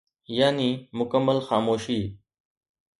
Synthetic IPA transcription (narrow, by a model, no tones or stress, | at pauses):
jaːniːmʊkəmːəlxaːmoːʃiː